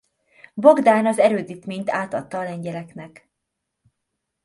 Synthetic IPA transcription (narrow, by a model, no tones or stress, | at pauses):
bo̞ɡd̪aːnɒzɛɾøːd̪iːt̪meːɲt̪aːt̪ɒt̪ːɒːlɛɲɟɛlɛknɛk